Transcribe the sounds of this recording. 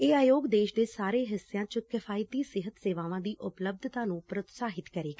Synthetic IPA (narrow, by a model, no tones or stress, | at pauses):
eːaːjoːɡd̪eːʃd̪eːsaːɾeːɦɪsːɪjãːt͡ʃəkɪfʰaːjɪt̪iːsɪɦət̪seːʋaːʋãːd̪iːʔʊpləb̚d̪ʱt̪ãːnũːpɾət̪saːɦɪt̪kəɾeːɡ